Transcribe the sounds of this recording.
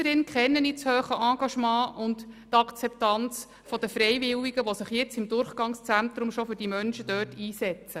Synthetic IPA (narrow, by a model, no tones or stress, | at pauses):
əɾɪnkχɛnːənitshøːχəʔɑ̃ːɡ̥ɑʃmɑ̃ːʔʊnttɑkt͡sɛptɑnt͡s | fɔd̥̪əfɾɛjʋɪwiɡ̥əʋosɪχjɛt͡sɪmd̪ʊrχɡ̥ɑŋst͡sæntɾʊmʃɔfʏd̥imœnʃəd̥œːtiːsɛt͡sə